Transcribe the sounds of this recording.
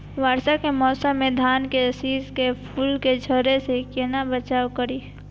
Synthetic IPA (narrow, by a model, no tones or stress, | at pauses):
waːɾsakemɔːsamːed̪ʱaːnkesiːzkepʰuːlked͡ʒʱəɾesekenabət͡ʃaːwkəɾi